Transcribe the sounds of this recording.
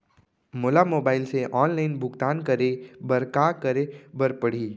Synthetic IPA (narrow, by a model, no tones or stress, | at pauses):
moːlamoːbaːɪlseʔɔːnlaɪnbʱʊɡt̪aːnkɐɾebɐɾkakəɾebɐɾpəɽ̤iː